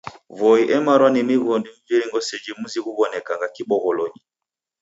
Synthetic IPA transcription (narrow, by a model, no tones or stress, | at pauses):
vɔiʔɛmaɾwanimiɣɔndim̩viɾiŋɡɔsɛd͡ʒimuziɣuβɔnɛkaŋɡakiɓɔɣɔlɔɲi